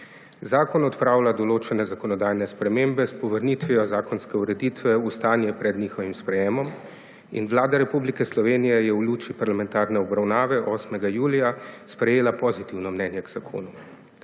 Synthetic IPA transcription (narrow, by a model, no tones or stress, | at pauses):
zaːkɔnɔt̪pɾaːwlad̪ɔloːt͡ʃɛnɛzakɔnɔd̪aːjnɛspɾɛmeːmbɛspɔʋəɾnit̪ʋiɔzaːkɔnskɛuɾɛd̪iːt̪ʋɛust̪aːnjɛpɾɛd̪niːxɔʋimspɾɛjeːmɔm | ḭnʋlaːd̪aɾɛpublikɛslɔʋeːnijɛjɛwluːt͡ʃipaɾlamɛ̃nt̪aːɾnɛɔbɾawnaːʋɛʔɔːsmɛɡajuːlijaspɾɛjeːlapɔzit̪iwnɔmnɛːnjɛɡz̥akʰo̰ːnu